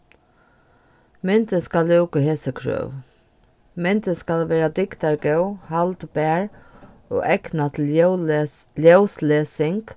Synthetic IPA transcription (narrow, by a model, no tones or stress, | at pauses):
mɛnt̪əskalɛwkəɦeːsəkʰɹø̰ːw | mɛnt̪əskalʋeːɾad̪ɪkt̪aɹɡɛwhalt̪bæːɹ | o̰ʔɛknat̪ʰɪ | ljœwsleːsɪŋk